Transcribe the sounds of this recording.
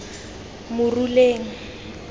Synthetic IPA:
mʊruleːŋ̩

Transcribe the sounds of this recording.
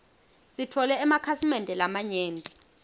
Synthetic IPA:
sitʰɔlɛːmakʰasimɛndʱɛlamaɲeːndʱʼi

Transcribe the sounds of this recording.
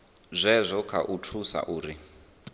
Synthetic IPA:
zʷɛzʷɔkʰaʔutʰusa̰ʔuːɾi

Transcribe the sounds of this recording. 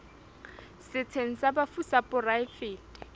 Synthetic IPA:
sɪt͡sʰeŋ̩sabafusapʼʊraɪfɪːtʼɪ̥

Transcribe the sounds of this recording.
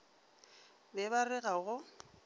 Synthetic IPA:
bɛbarɪɣaɣʊ

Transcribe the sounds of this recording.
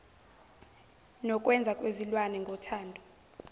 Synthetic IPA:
nɔkʼwɛnd͡zʱakʼwezilwanɛŋɡʱɔtʰaːndʱɔ

